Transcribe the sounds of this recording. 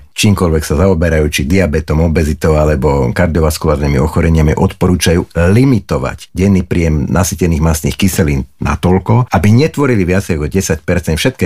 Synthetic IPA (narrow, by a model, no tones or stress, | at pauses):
t͡ʃiːmkɔlʋɛksazaɔbɛɾajuːt͡ʃid̪iabɛt̪ɔmɔbɛzit̪ɔʊalɛbɔkaɾd̪iɔʋaskulaːɾniːmḭɔxɔɾɛɲɪamiʔɔt̪pɔɾuːt͡ʃajuːlimit̪ɔʋa̰ɟɟɛnipɾijɛmnasicɛniːɣmasnḭxkisɛliːnna̰t̪ɔlkɔabiɲɛt̪ʋɔɾiliʋɪat͡sɛjkɔɟɛsac̚pɛɾt͡sɛnfʃɛt̪̚kɛ